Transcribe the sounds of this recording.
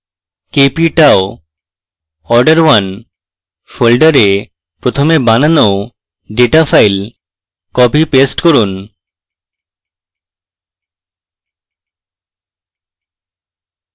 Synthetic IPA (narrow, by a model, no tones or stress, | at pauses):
kepiʈao | ɔɾɖaɾwan | folɖaɾe | pɾot̪ʰomebanano | ɖeʈafʰajl | kɔpipesʈkoɾun